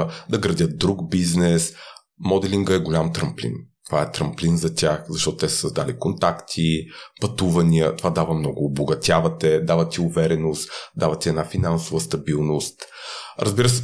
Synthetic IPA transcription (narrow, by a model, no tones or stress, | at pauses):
d̪ɐɡɾɐd̪ʲət̪̚d̪ɾuɡbiznɛs | mɔd̪ɛlʲiŋɡəɛɡolʲamt̪ɾɐmplḭnt̪ovaɛt̪ɾɐmplinzɐt̪ʲʰaxzɐʃt̪ɔt̪ʊ̥t̪ɛsɛ̥sɐzd̪alikont̪akt̪ʰipɐt̪uvɐniət̪ovad̪avəmnɔɡʊːboɡɐt̪ʲavɐt̪ɛd̪avət̪iʊvɛɾɛnost̪d̪avɐt̪iɛnafinansʊvəst̪ɐbilˠnʊst̪ɾʔɐzbiɾəsɛ